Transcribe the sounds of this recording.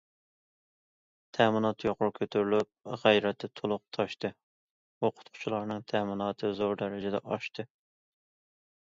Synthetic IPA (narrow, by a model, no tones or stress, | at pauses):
t̪ʰɛmɨnɑt̪joqʊɾkʲʰøt̪ʰyɾlyp̚ʁæjɾɛt̪ʰːɛt̪ʰolˠʊq̚t̪ʰɑʃt̪ɨ | oqʰʊ̥t̪qʰʊ̥t͡ʃʰulˠɑɾnɨŋt̪ʰɛmɨnɑːt̪ʰɨzoɾd̪ɛɾɛd͡ʒɛd̪ɛ̰ʔɑʃt̪ɨ